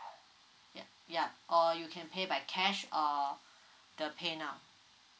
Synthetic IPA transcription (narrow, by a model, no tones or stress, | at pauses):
ja | jaʔɔjukʰɛ̃npʰebaɪkʰɛʃɔ | dəpʰenaʊ